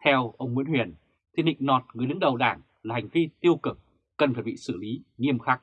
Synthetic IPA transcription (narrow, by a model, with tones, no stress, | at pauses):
t̪ʰɛ˧wʔə˧wŋ͡mŋwḭ˧˥nhwi˨˩ən | t̪ʰi˧˩nhḭ˧˨ŋ̟nɔ˨˩t̚ŋɨ˨˩əjɗɨ˨˦ŋɗə˨˩wɗaː˧˩ŋ | laː˨˩ha˨˩ŋ̟vi˧t̪i˧əwkɨ˨˧˩k̚ | kə˨˩nfaː˧˩jɓḭ˧˨sɨ˧˩li˨˦ŋi˧əmxaː˦˥k̚